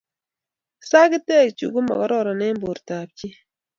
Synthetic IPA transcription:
sa˦kɪ˦tɛ˦˨t͡ʃṵ˨ɡu˦ma̰˨kɔ˦ɾɔ˦ɾɔ˨nɛ˦mbo˨ɾta˨p̚t͡ʃi˦

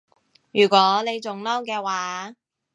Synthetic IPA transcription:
jyː˨˩kʷɔː˨˥ne˨˧jt͡sʊ˨ŋlɔː˥wkɛː˧waː˨˦

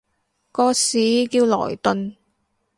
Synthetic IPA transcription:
kɔː˧siː˨˥kiː˧wlɔ̰ː˨˩jt̪ɵ˨˧n

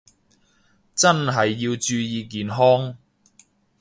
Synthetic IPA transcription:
t͡sɐ˥nɦɐ˨jːiː˧wt͡ʃyː˧jiː˧k̬iː˨nɦɔː˥ŋ

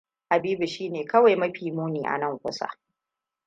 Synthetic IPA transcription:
ha˨biː˦bu˨ʃiː˦neː˨kɐ˦wa˨jmɐ˦ɸiː˨muː˦niː˨ʔa̰˨nɐ˦˨ŋkʷʊ˦sa̰˦

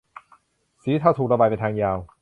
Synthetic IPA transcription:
siː˨˩˦t̪ʰa˥˩wt̪ʰu˨˩k̚ɾa˧baː˨˩jpa˧t̪ʰːŋjaː˧w

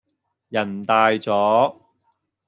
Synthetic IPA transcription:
jɐ˨˩nt̪aː˨˧jt͡sɔː˨˥

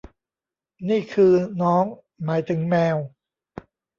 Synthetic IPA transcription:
niː˥˩kʰɯː˧nɔː˦˥ŋ | maː˩˦jt̪ʰɯ˩˦ŋmɛː˧w

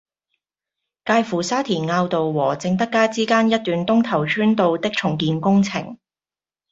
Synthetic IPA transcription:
kaː˧jfuː˨˩saː˥t̪ʰiː˨˩nŋaː˧wt̪o˨wwɔː˨˩t͡sɪ˧ŋt̪ɐ˥kːaː˥t͡siː˥kaː˥njɐ˥t̚t̪yː˨nt̪ʊ˥ŋt̪ʰɐ˨˩wt͡ʃʰyː˥nt̪o˧wt̪ɪ˥k̚t͡ʃʰʊ˨˩ŋkiː˨˧nkʊ˥ŋt͡sʰɪ̰˨˩ŋ

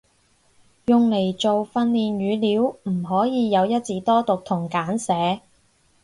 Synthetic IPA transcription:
jʊ˨ŋle˨˩jt͡so˨wfɐ˧nliː˨nɥyː˨˧liː˨˥wm̩˨˩ɦɔː˨˥jiː˨˧jɐ˨˧wjɐ˥t̚t͡siː˨˧t̪ɔː˥t̪ʊ˨k̚t̪ʰʊ˨˩ŋkaː˨˥nsɛː˨˧˥

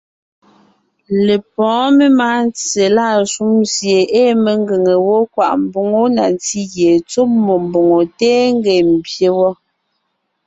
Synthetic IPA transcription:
le˨p̚ɔ̃ː˨˦me˦maː˨˦n˦t͡se˨laː˦˨su˦msje˨eː˦me˨ŋ˦ɡe˨ŋe˨wo˦kwa̰˨ʔm̩˦bo˨ŋo˦na˨nti˦ɣje˨t͡so˦p̚mo˨m˨bo˨ŋo˨tɛː˦ŋ˦ɡɛ˨m̩˨bje˨wɔ˦

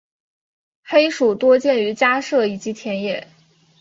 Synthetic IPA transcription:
xe˥ɪʂu˨˩t̪wɔ˥t͡ɕjɛ˥˩ny˧˥t͡ɕja˥ʂɤ˥˩i˨˩t͡ɕi˧˥t̪ʰjɛ˧˥njɛ˨˩˦

